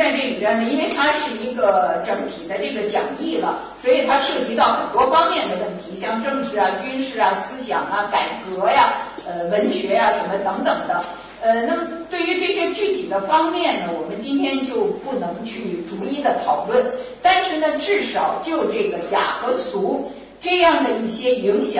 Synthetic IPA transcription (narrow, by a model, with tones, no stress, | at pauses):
a˥˧nʈ͡ʂɤ˥˩i˨˩ja˥nə˥˧i˥nwe˥˩ɪt̪ʰa˥ʂɻ̩˥˩i˧˥ɡə˧ʈ͡ʂɤ˧˩˥ŋt̪ʰi˨˩d̪ə˦ʈ͡ʂɤ˥˩ɡə˩t͡ɕjɑ̰˨˩ŋi˥˩lə̰˩ | swɔ˧˥i˨˩t̪ʰa˥ʂɤ˥˩t͡ɕi˧˥t̪ɑ˥˩ʊxə̰˨˩nt̪wɔ˥fɑ˥ŋmjɛ˥˩nd̪ə˩wə˥˩nt̪ʰi˧˥ɕjɑ˥˧ŋʈ͡ʂɤ˥˧ŋʈ͡ʂɻ̩˧˥ɐ˩t͡ɕy˥nʂɻ̩˥˩ɐ˩sɹ̩˥ɕjɑ̰˨˩ŋɐ˧ka˨˩ɪkɤ˧˥ja˧ə˧wə˧˥nɕɥɛ˧˥ja˧ʂə˧˥nmə˧t̪ɤ˧˥ŋt̪ɤ˨˩ŋd̪ə˦ | ə˧na˥˩mə˩t̪we˥˩ɪy˧˥ʈ͡ʂɤ˥˩ɕjɛ˥t͡ɕy˥˩t̪ʰi˨˩d̪ə˦fɑ˥ŋmjɛ˥˩nnə˩wɔ˨˩mə˦nt͡ɕi˥nt̪ʰjɛ˥nt͡ɕjo˥˧ʊpu˥˩nɤ˧˥ŋt͡ɕʰy˥˩ʈ͡ʂu˧˥i˥˩d̪ə˩t̪ʰɑ˨˩ʊlwə˥˩nt̪a˥˧nʂɻ̩˥˩nə˩ʈ͡ʂɻ̩˥˩ʂɑ˨˩ʊt͡ɕjo˥˧ʊʈ͡ʂɤ˥˩ɡə˩ja̰˨˩xɤ˧˥t͡sʰu˧˥ | ʈ͡ʂɤ˥˧jɑ˥˩ŋd̪ə˩i˥˩ɕjɛ˥i˧˥ŋɕjɑ˨